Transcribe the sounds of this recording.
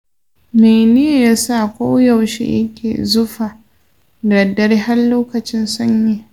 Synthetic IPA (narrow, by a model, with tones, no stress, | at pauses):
me˨nɪ˦ja˨ja˦sa˦˨kʷoː˦ja˨wʃḛ˨jɐ˦kʲʰḛː˨zʊ˦ɸa˨ | dɐ˨dɐ˦rɦa˦rloː˦kɐ˨t͡ʃɪ˦nsɐ˦ɲje˨